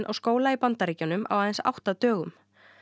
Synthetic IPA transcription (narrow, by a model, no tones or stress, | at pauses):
nʔa̰wskoːwlaipant̪aɾiːcanʏma̰waːðɛnsa̰wht̪at̪œːɣʏm